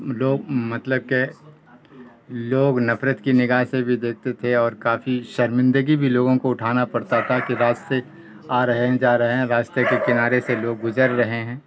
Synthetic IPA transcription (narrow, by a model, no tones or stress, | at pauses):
loːɡmɐt̪ləb̚ke | loːɡnɐfɾət̪kinɪɡaːɦsebʱid̪eːk̚ʰt̪et̪ʰeɔːɾkaːfiʃɐɾmɪ̃nd̪əɡibʱiloːɡõkoʊʈʰaːnapɐɽt̪at̪ʰakiɾaːd͡ʒse | aːɾɐɦeɦɛ̃d͡ʒaːɾɐɦeɦɛ̃ɾaːd͡ʒt̪ekekɪnaːɾeseloːɡːʊzəɾːɐɦeɦɛ̃ː